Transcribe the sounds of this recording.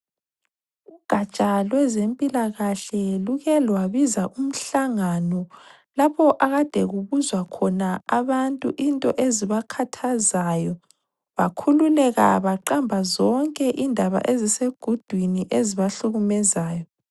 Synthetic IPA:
uɡ̥ʱat͡ʃʼalwɛzempʼilaɣaɬɛluɣɛlwaβizaʔum̩ɬaŋanɔ | lapʰɔʔaɣad̥ʱɛɣuβuzwakʰɔnaaβantʼuʔintʼɔ̰ʔeziβakʰatʰazajɔ | βakʰululɛɣa̰βaǃambʱazɔŋkʼɛʔindʱaβa̰ʔeziseɡ̥ʱud̥ʱwiniʔeziβaɬuɣumɛzaːjɔ

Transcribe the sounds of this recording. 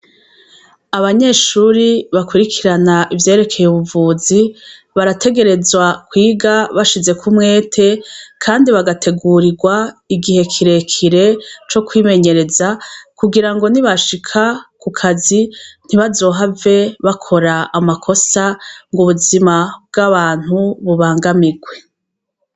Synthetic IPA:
aβaɲe̞ːʃuːɾiβakuɾikʰiɾanaʔivje̞ːɾe̞kʰe̞jeuβuvuːzi | βaɾatʰe̞ɡe̞ɾe̞zwakwiːɡaβaʃize̞kʰumŋe̞ːtʰe̞kʰaːndiβaɡatʰe̞ɡuːɾiɡwaiɡihe̞kʰiɾe̞kʰiɾe̞t͡ʃo̞kwiːme̞ɲe̞ɾe̞zakuɡiɾaŋɡo̞niβaʃikʰakukʰazin̥iβazo̞ːɦave̞βakʰo̞ɾaːmakʰo̞saŋɡuβuzimabɡaβaːn̥huβuβaːŋɡamiɡwe̞

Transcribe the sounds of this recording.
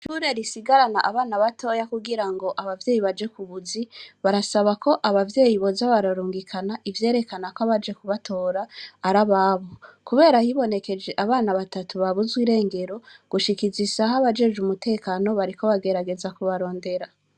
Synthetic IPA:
ʃuɾeɾisiɡaɾanaʔaβaːnaβatʰo̞ːjakuɡiɾaŋɡo̞ʔaβavje̞ːjiβad͡ʒe̞kuβuziβaɾasaβako̞ʔaβavje̞ːjiβo̞zaβaɾaɾuːŋɡikʰanaʔivje̞ːɾe̞kanakoaβad͡ʒe̞kuβatʰo̞ːɾaːɾaβaβokuβe̞ːɾahiβo̞ne̞ke̞d͡ʒe̞ʔaβaːnaβatatuβaβuzɡwiːɾe̞ːŋɡe̞ɾo̞ɡ̥uʃikizisahaβad͡ʒe̞d͡ʒumute̞ːkaːno̞βaɾiko̞βaɡe̞ɾaɡe̞zakuβaɾo̞ːnde̞ɾa

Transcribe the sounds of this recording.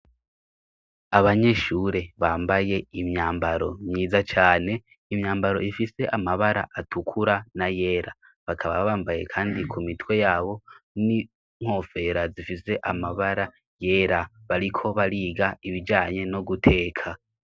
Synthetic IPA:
aβaɲe̞ʃuɾe̞βaːmbaje̞imɲaːmbaɾo̞̰mɲiːzat͡ʃaːne̞ | imɲaːmbaɾo̞̰ʔifise̞ʔamaβaɾa̰ʔatʰukʰuɾanaje̞ːɾa | βakʰaβa̰βaːmbajḛkʰaːndikʰumitwe̞jaːβo̞ni | ŋ̥o̞ːfe̞ɾazifise̞ʔamaβaɾa | je̞ːɾaβaɾikʰo̞βaɾiːɡaiβid͡ʒaːɲe̞noɡutʰe̞ːkʰa

